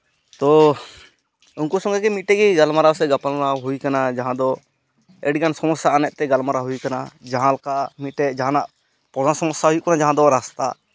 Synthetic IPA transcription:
t̪ɔ | unkɔsɔ̃ŋɡɛkɛmiʈɛɡiɡalmaɾasɛɡapalnaɦujkanad͡ʒaɦãd̪ɔ | ɛɖɡansɔmɔsaanɛʔt̪ɛɡalmaɾaɦujkanad͡ʒaɦãlkamiʈɛʔd͡ʒaɦãnaʔ | pɔdasɔmɔsaɦujuʔkanad͡ʒaɦãd̪ɔɾast̪a̰

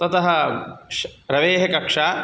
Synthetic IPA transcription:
t̪ɐt̪ɐɦɐ̆ʃɾɐʋeːɦɐkɐkʂaː

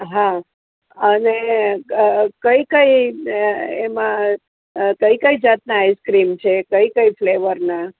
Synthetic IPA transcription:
ɦã | əne | kəjikəi | emã | kəikəid͡ʒat̪̚naːjskɾimt͡ʃʰekəikəifleʋəɾna

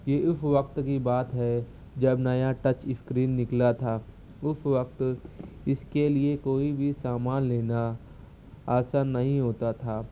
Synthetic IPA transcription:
jeːʔʊfʋɐk̚t̪kibaːt̪ɦɛ | d͡ʒɐbnajaʈɐt͡ʃɪskɾiːnːɪklat̪ʰaː | ʊfʰʋək̚t̪ | ɪskeliekoːibʱisaːmaːnleːna | aːsaːnːɐɦĩɦoːt̪at̪ʰaː

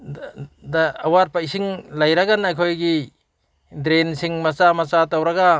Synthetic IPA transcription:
daːwaɾpajsiŋlajɾaɡanajkʰojɡi | dɾensiŋmɐsamɐt͡ʃatawɾaɡa

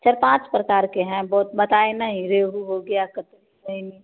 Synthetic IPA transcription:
sɐɾpãːt͡ʃpɾɐkaːɾkeɦɛ̃bɔːt̪bɐt̪aːenɐɦĩɾeːɦuɦoɡɐjakət̪ɾiɐɦĩni

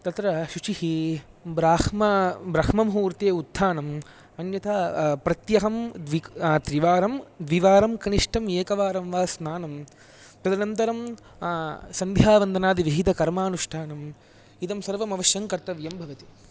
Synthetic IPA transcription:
t̪ɐt̪ɾɐʃut͡ʃihibɾaːkmɐbɾɐkmɐmɦuːɾt̪eːud̪ʱːaːnɐm | ɐnjɐt̪ʰapɾɐt̪jɐɦɐmd̪ʋit̪ɾiʋaːɾɐmd̪ʋiʋaːɾɐmkɐniʂʈʰɐmeːkɐʋaːɾɐmʋaːsnaːnɐm | pɾɐd̪ɐnɐnt̪ɐɾɐm | sɐnd̪ʱjaːʋɐnd̪ɐnaːd̪iʋiɦit̪ɐkɐɾmaːnuʂʈʰaːnɐm | id̪ɐmsɐɾʋɐmɐʋɐʃjɐŋkɐɾt̪ɐʋjɐmbʱɐʋɐt̪i̥

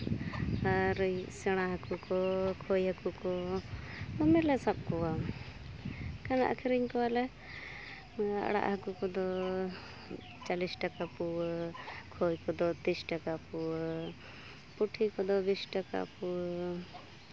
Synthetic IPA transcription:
aɾsɛɽ̃aɦakukɔkʰojɦakukɔ | d̪ɔmɛɾlɛsab̚kɔwa | kana̰ʔa̰kʰɛɾiɲkɔwalɛ | a̰ɽa̰ʔhakukɔd̪ɔ | t͡ʃalisʈakapu | kʰojkɔd̪ɔt̪isʈakapu | puʈʰikɔd̪ɔbisʈaka̰pu

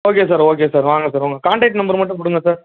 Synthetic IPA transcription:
oːkeːsaːɾoːkeːsaːɾʋaːŋɡɐsaːɾʋoːŋɡɐkaːɳʈɛk̚ʈnɐmbɐɾmɐʈːʊ̃p̬ʊɽɯŋɡɐsaːɾ

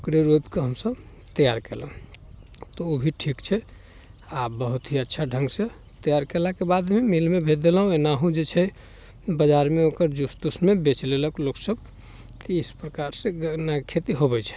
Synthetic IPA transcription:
okɾeɾopkeɦəmsəb | t̪əjaɾkɛlɦũ | t̪ɔobʱiʈʰikt͡ʃʰɛ | abəɦut̪ɦiətːʃʰaɖʱəŋɡse | t̪əjaɾkelakebad̪memilmebʱet̪̚d̪elɦũenaɦũd͡ʒet͡ʃʰɛ | bəd͡ʒaɾmeokəɾd͡ʒust̪usmebet͡ʃleləkloksəb | kiispɾəkaɾsẽɡnakʰet̪iɦobɛt͡ʃʰɛ̥

